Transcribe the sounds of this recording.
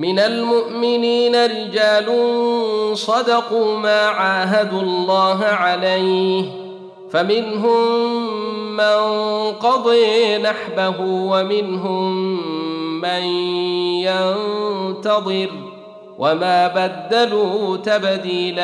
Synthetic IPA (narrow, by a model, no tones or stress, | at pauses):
mɪnalmʊʔmɪniːnaɾɪd͡ʒaːlʊnsˤɑd̪ɑquːmaːʕaːɦad̪ʊlˤːɑːɦʕalajh | famɪnɦʊm | manqɑd̪ˤiːnaħbaɦuːwamɪnɦʊmː | anjant̪ɑd̪ˤɨɾ | wʔamaːbad̪ːaluːt̪abd̪iːla